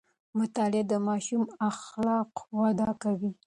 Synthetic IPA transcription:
mʊt̪ɑlɪd̪əmɑʃumaxlɑqwad̪ɑkawi

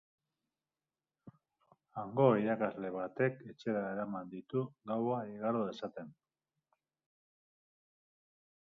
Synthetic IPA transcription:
aŋɡo̞iɾakazle̞βat̪e̞ke̞t͡ʃe̞ɾae̞ɾamand̪it̪uɡawaiɣaɾoesat̪e̞n

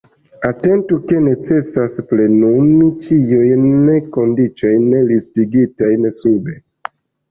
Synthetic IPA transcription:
ate̞ntuke̞ne̞t͡se̞sasple̞numit͡ʃijujnekondit͡ʃojnelistiɡitajnesube

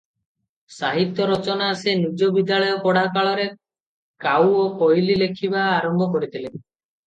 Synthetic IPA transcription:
saɦit̪jɔɾɔt͡ʃɔnaːsenid͡ʒɔbid̪ːaɭɔjɔkɔɽakaɭɔɾe | kawokɔjlilekʰibaːɾɔmbʱɔkɔɽit̪ʰile

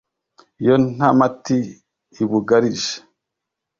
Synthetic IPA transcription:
jon̥amatiː | βuɡaɾiʒe̥

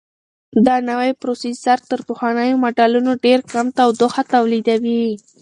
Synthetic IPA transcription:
d̪anawajpɾosizaɾt̪ːəɾpʊxwanəjomaɖɑlunoɖeɾkamt̪awd̪ʊxat̪awlid̪awi

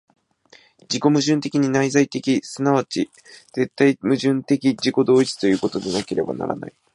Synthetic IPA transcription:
d͡ʑiko̞mɯ̟ʑɨ̃nt̪e̞kʲiɲ̟inaizait̪e̞kʲisɨnaβat͡ɕi | z̥e̞t̪ːaimɯ̟ʑɨ̃nt̪e̞kʲid͡ʑiko̞d̪o̞ːit͡sɨ̥t̪o̞jɯ̟ːko̞t̪o̞d̪e̞nake̞ɾe̞ba̰na̰ɾa̰na̰i

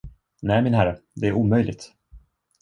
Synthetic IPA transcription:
næːmɪnɦæɾad̪ɛæɾʔuːmœjlʔɪ̰ɡ̚t̪

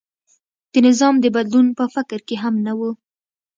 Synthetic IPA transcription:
d̪̥ənɪzɑmd̪əbad̪lunpəfɪkɾkeɦamnawu

